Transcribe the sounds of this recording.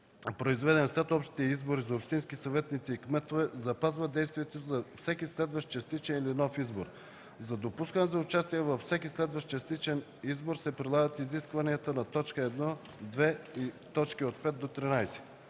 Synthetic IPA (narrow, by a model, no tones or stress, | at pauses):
pɾoizvɛd̪ɛnslɛt̪ɔpʃt̪it̪iɛizboɾizɐopʃt̪inskisɐvɛt̪nit̪siːkmɛt̪ovɛzɐpazvəd̪ɛjst̪vijɛt̪ozɐfsɛkʲislɛd̪vəʃt̪t͡ʃɐst̪it͡ʃɛnilinɔfizboɾ | zɐd̪opuskənɛzɐʊt͡ʃast̪iɛvɐfsɛkʲislɛd̪vəʃt͡ʃɐst̪it͡ʃɛn | izboɾsɛpɾilˠaɡət̪iziskvɐniət̪ənɐt̪ɔt͡ʃkəɛd̪nɔ | d̪vɛit̪ɔt͡ʃkiot̪̚pɛt̪̚d̪ot̪ɾinajsɛ̥